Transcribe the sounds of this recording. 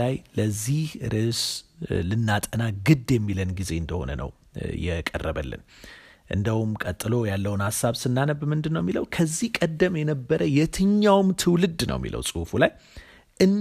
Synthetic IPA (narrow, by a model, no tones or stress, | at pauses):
ajləzːihɾʔɨslɨnːat̪ʼənaɡɨd̪jɛmːilənɡize̞ɨnd̪əho̞̰nə̰nʔə̰w | jɛkʼərːəβəlːɨ̰n | ʔɨ̰nd̪əwumkʼət̪ʼːɨlo̞jalːəwunhasːaβsɨnːanəbmɨnd̪ɨnːəwmːiləwkʰəzːihkʼəd̪ːəmjɛnəbːəɾʔəjɛt̪ʰɨɲːawmt̪ʰɨwlɨd̪nə̰wmːḭlə̰wsʼɨhfulaj | ʔɨnː